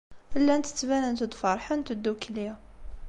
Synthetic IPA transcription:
ʔəlːænt̪ə̥t̪ːbænənt̪əd̪fɑɾˤħant̪əd̪ːukljæ

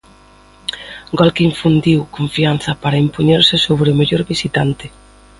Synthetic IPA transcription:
ɡɔlkiɱfund̪iwkõɱfianθɐpaɾɐimpoɲeɾsɪsoβɾɪomeʎoɾβisit̪ant̪ɪ

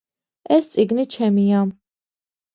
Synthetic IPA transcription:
ɛst̪sʼiɡnit͡ʃʰɛmia

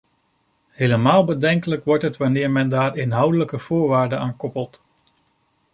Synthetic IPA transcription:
hejləmaːlˠbədɛŋkələkʋɔɹtɦətʋanɪːɹmɛndaːɹɪnɦʌwdələkəv̥ʊːɹʋaːɹdəaːnkɔpəlˠt

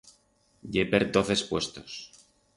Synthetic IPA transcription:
ʎepeɾd̪oθespwe̞st̪os

